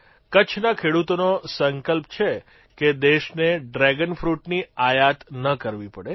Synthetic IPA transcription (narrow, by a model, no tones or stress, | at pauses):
kət͡ʃʰnakʰeɽut̪onosəŋkəlp̚t͡ʃʰe | ked̪eʃneɖɾɛɡənfɾuʈniajat̪nəkəɾʋipəɽe